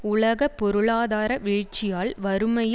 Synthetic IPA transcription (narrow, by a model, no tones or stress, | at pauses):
ʊɭɐɣɐpːɔɾɯɭaːðaːɾɐʋɪɻt͡ʃːɪjaːɭʋɐɾɯmɐj